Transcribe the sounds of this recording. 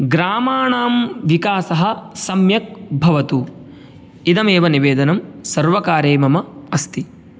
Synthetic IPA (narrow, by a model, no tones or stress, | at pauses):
ɡɾaːmaːɳaːmʋikaːsɐɦɐ̆sɐmjɐk̚bʱɐʋɐt̪u | id̪ɐmeːʋɐniʋeːd̪ɐnɐmsɐɾʋɐkaːɾeːmɐmɐɐst̪i